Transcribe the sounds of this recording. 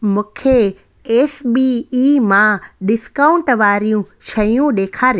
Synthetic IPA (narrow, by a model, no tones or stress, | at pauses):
mũːkʰe | eːsbiimãɗɪskaːʊ̃ɳʈʋaːɾijũʃɐjũɗeːkʰaːɾj